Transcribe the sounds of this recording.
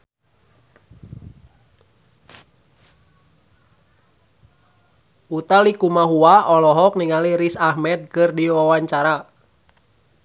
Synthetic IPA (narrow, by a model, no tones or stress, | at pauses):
ut̪alikumaɦuaɔlɔɦɔk̚niŋaliɾisahmɛd̪̚kɨrdiwawaɲt͡ʃaɾa